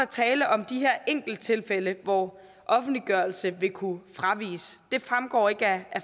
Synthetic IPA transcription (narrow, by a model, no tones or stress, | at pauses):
æt͡sʰɛːləʔɒ̽md̥iɦæɐ̰ʔeŋ̰ɡ̥l̩d̥̚t͡sʰe̝lfeləʋɒ | ʔɒ̽fn̩d̥liɡ̥ɶɐlsəʋe̝kʰufʁɑ̈ʋḭːsd̥e̝fʁamɡ̥ɒ̰ːe̝ɡ̥əææ